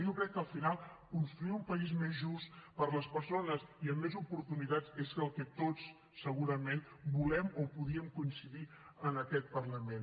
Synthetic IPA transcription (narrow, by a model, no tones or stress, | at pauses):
ʒokɾɛkːəlˠfinalˠkunst̪ɾuiumpəizmezʒust̪pəɾləspəɾsonəziəmːezupuɾt̪unit̪at͡seskəlˠkət̪ot͡sː | əɣuɾəmenbulɛmopuðiəmkuinsiði | ənəkɛt̪̚pərləmen